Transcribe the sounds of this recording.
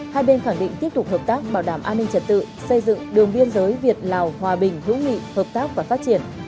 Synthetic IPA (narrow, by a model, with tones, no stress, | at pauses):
haː˧jɓe˧nxaː˧˩ŋɗḭ˧˨ŋt̪i˦˥əp̚t̪ʊ˨˩k͡p̚həː˨˩p̚t̪aː˦˥k̚ɓaː˧˩wɗaː˧˩mʔaː˧nːï˧ŋ̟t͡ɕə˨˩t̚t̪ɨ̰˧˨sə˧jzɨ̰˧˨ŋɗɨ˨˩əŋɓi˧ənzəː˨˦jvi˨˩ət̚laː˨˩whwaː˨˩ɓï˨˩ŋ̟hɨ̰˧˥wŋḭ˧˨həː˨˩p̚t̪aː˦˥k̚vaː˨˩faː˦˥t̚t͡ɕi˧˩ən